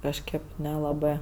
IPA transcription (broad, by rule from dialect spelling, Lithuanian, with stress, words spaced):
kɐʃˈkɜp nʲɛlˠɐˈbɜ